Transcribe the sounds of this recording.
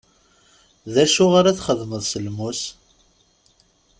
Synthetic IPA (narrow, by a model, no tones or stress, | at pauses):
ðæʃʊʁaɾæθχəðməðˤsəlmus